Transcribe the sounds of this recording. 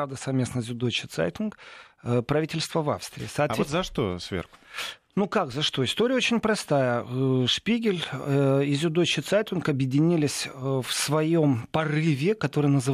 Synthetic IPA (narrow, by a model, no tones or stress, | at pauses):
avd̪əsɐvmʲe̞snəzʲʊd̪ot͡ɕɪt̪sa̰jt̪ʲɪnkpɾɐvʲitʲɪlʲst̪vəva̰fst̪ɾʲɪ̰ːsɐːt̪vt̪zɐʂt̪o̰svʲḛrxʊ̥ | nukakzɐʂt̪o̞ɪst̪o̞ɾʲɪəot͡ɕɪnʲpɾɐst̪ajəʂpʲiɡʲɪlʲɪzʲʊd̪ot͡ɕɪt̪sajt̪ʲɪnkɐbjɪdʲɪnʲilʲɪsʲfsvɐjo̞mpɐrɨvʲɪkɐt̪o̞ɾɨjənəzɨ